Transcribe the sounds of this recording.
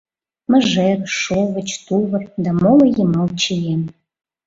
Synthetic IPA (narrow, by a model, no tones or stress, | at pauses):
mə̆ʒeɾʃovə̆t͡ɕt̪uvə̆rd̪ɑmolɤ̆jəmɑlt͡ɕijem